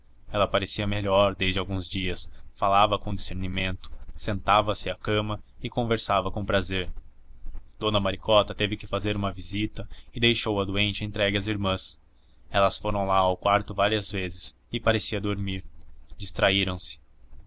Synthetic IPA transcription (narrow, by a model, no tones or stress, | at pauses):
ɛlɐpaɾesiɐmeʎɔɾd̪ezd͡ʒɪawɡũzd͡ʒiɐsfalavɐkõd͡ʒiseɾnimẽnt̪ʊ̥sẽnt̪avɐsɪakɐ̃mɐɪkõveɾsavɐkõpɾazeɾ | d̪̥õnɐmaɾikɔt̪ɐt̪evɪkɪfazeɾũmɐvizit̪ɐɪd̪ejʃowɐd̪uẽnt͡ʃɪẽnt̪ɾɛɡɪɐziɾmɐ̃s | ɛlɐsfoɾɐ̃w̃laawkwaɾt̪ʊvaɾiɐzvezɪs | ɪpaɾesiɐd̪oɾmiɾd͡ʒist̪ɾaiɾɐ̃w̃sɪ̥